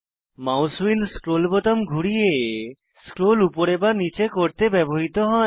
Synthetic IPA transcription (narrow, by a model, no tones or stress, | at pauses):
mawswilskɾolbɔt̪omɡʱuɽije | skɾolupoɾebanit͡ɕekoɾt̪ebɛboɦit̪oɦɔe